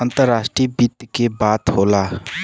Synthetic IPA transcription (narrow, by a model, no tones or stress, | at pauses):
ə̃nt̪əɾːaːʃʈɾibit̪ːkebaːt̪ɦoːlaː